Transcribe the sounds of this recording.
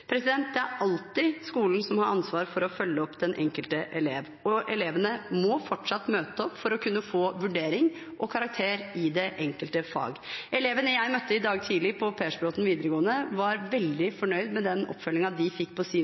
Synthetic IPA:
pʰɾɛsɪd̪ɛnt̪̚d̪ɛæɾɑlt̪ɪskuːln̩sɔmhɑɾʔɑnsʋɑːɾfɔɾɔfœlːəɔpːd̪ɛnʔɛŋkəlt̪əʔɛleːʋ | ɔʔɛleːʋənəmɔfɔʈʂɑt̪ːmøːt̪əɔpːfɔɾɔkʰʉnːəfoːʋʉɖeːɾɪŋ | ʔɔkʰɑɾɑk̚t̪ʰeːɾɪd̪ɛʔɛŋkəlt̪əfɑ̰ːɡɛleːʋənəjæɪmœt̪ːəɪd̪ɑːɡt̪ʰiːlɪpʰɔpʰeːʂbloːt̪n̩ʋiːd̪əɾəɡoːənəʋɑɾʋɛld̪ɪfɔɳœʏd̪mɛd̪ɛnɔ̰pfœlːɪŋɑd̪ɪfɪkːpʰɔsiː

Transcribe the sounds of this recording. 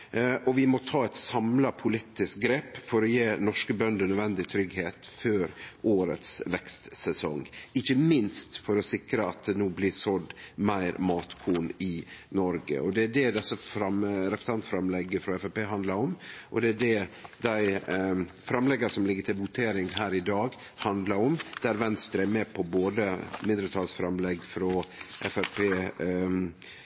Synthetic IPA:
ʔɔʋɪmɔt̪ʰɑːɛt̪sɑmlɑpʰʊlɪt̪ːɪsk̚ɡɾeːpfɔɾɔjeːnɔʂkəbœnd̪ənœd̪ʋɛnd̪ɪt̪ʰɾʏɡheːt̪føːɾʔoːɾə̰t̪sʋɛkst̪sɛsɔŋɪçːəmɪnst̪fɔɾɔsɪkɾəɑt̪̚d̪ɛnuːblɪsɔd̪mæɪɾmɑːt̪kʰuːnɪnɔɾɡə̰ʔɔd̪ɛæɖɛd̪ɛsːəfɾɑmɾɛpɾə̥sʰɑnt̪fɾɑmlɛɡːəfɾɔɛfæpeːɦɑnd̪lɑɾɔmʔɔd̪ɛæɖɛd̪æɪ | fɾɑmlɛɡːəsɔmlɪɡːət̪ʰɪlʋʊt̪ʰeːɾɪŋɦæːɾɪd̪ɑːɡ | hɑnd̪lɑɾɔmd̪̥æɾʋɛnst̪əɾəæmɛːpʰɔboːd̪əmɪnd̪əɾət̪ʰɑːlsfɾɑmlɛɡfɾɔʔɛfæpʰeː

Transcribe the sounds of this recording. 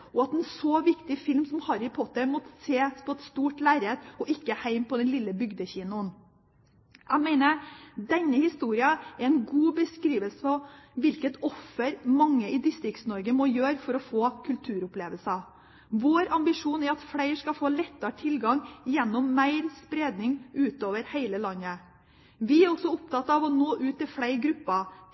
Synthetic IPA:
ɔɑt̪ɛnsoːʋɪkt̪ɪfɪlmsɔmhɑɾɪpʰɔt̪ːəmɔt̪ːə̥seːspʰɔɛt̪st̪uːʈlæɪɾet̪ɔʔɪkːəhæɪmpʰɔd̪ɛnlɪlːəbʏɡd̪əçiːnʊən | ʔæɪmæɪnəɾd̪ɛnːəhɪst̪uːɾɪəɛɾɛnɡuːbəskɾiːʋəlsəfɔʋɪlkət̪ɔfːəɾmɑŋːəʔɪd̪ɪst̪ɾɪkt̪snɔɾɡəmɔjøːɾfɔɾɔfoːkʰʉlt̪ʰʉːɾʊpleːʋəlsɑ | ʋoːɾɑmbɪʂuːnɛɾɑt̪fɽæɪɾʂkɑfoːlɛt̪ːɑʈʰɪlɡɑŋjɛnːɔmːæɪɾspɾeːd̪nɪŋʔʉːt̪oːʋəɾhæɪləlɑnːə | ʋɪæɾɔsɔʊpt̪ʰɑt̪ːɑʋɔnoːʔʉːt̪ːɪlfɽæɪɾɡɾʉpːɑ

